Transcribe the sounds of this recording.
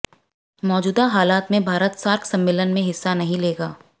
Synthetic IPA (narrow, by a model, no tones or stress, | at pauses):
mɔːd͡ʒuːd̪aɦaːlaːt̪mẽbʱaːɾət̪saːɾksɐ̃mːɪlənmẽɦɪsːanɐɦĩleːɡaː